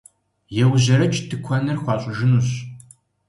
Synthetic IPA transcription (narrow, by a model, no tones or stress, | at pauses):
jɛwʑɐɾɐt͡ʃʰʼtʰɨkʷʰɐnɐrxʷɑːɕʼɪʒɪnuɕ